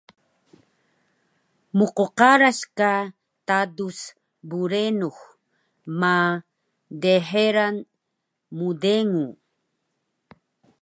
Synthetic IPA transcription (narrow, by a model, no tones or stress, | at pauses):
muqoqaɾaɕka | t̪adus | buɾenux | ma | deħeɾan | mudeŋu